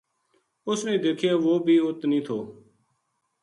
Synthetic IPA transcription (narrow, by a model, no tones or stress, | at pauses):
ʊsnẽːd̪eːkʰjaːʋoːbʱiːʊt̪nĩːt̪ʰoː